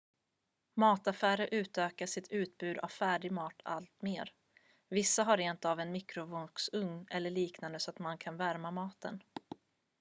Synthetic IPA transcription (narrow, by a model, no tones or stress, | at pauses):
mɑːt̪afæːɾəʔʉ̟ːt̪øːkaʂɪt̪ʰʉ̟ːt̪bʉ̟ːd̪a̰vfæːɖɪɡmɑːt̪ʰa̰lt̪meːɾ | vɪsːaɦaɾeːnt̪avɛnmɪkɾʊvʊŋksɵŋnɛlːəɭiːknand̪əsɔat̪mankʰanvæɾmamɑːt̪ə̰n